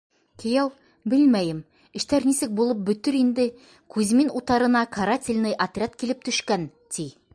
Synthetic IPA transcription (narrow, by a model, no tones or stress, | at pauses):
kɘ̆jæw | bɘlmæjɘm | ɘ̆ʃt̪æɾnisɘk̚bulˠɤp̚bɵ̆t̪ɵɾind̪ɘ | kʉzminut̪ɑɾɤ̆nɑkʰɐɾat̪ʲɪlʲnɤjʔɐt̪rʲat̪̚kilɘp̚t̪ɵ̆ʃkæn | t̪i